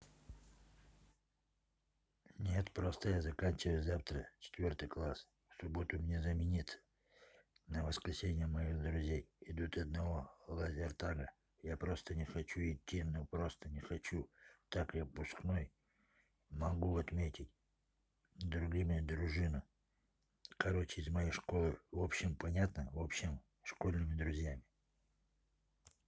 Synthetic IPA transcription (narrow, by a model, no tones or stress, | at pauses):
nʲet̪pɾost̪əjazɐkanʲt͡ɕɪvəjʊzaft̪ɾət͡ɕɪ̥t̪vʲort̪ɨjklˠas | fsʊbot̪ʊmnʲezɐmʲɪnʲit̪sə̥ | nəvəskɾʲɪsʲenʲɪjəməjiɣd̪ɾʊzʲejɪd̪ut̪ɐd̪nɐvolˠɐzʲɪrt̪aɡə | japɾost̪ənʲɪxɐt͡ɕuɪtʲːinopɾo̞st̪ənʲɪxɐt͡ɕut̪akjapʊskno̞j | mɐɡuɐt̪mʲetʲɪtʲ | d̪ɾʊɡʲimʲɪd̪ɾʊʐɨnɨ | kɐɾo̞t͡ɕɪɪzmɐjeʂko̞lˠɨvo̞pɕɪmpɐnʲat̪nəvo̞pɕɪm | ʂko̞lʲnɨmʲɪd̪ɾʊzʲjamʲɪ